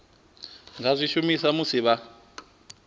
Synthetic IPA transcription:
ŋɡazʷiʃumisamusiβa

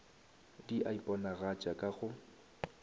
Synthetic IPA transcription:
diʔaipʼɔnaɣat͡ʃʼakʼaɣʊ

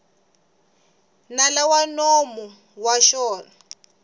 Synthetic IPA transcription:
nalawanɔmu | waʃɔːna

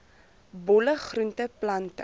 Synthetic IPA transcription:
bɔləχruntəplɐntə̰

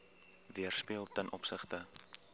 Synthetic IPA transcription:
viərspiəlˠtənʔɔpsəχtə

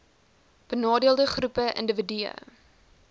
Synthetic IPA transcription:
b̥ənɑːdiəlˠdəχrupəʔə̰ndəvədyə̰

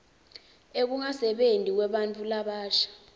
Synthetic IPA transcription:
ek̬uŋasɛɓentʼik̬wɛɓant͡fʰʼulaɓaːʃḁ

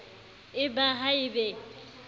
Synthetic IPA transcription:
ɪbaɦaɪbɛ

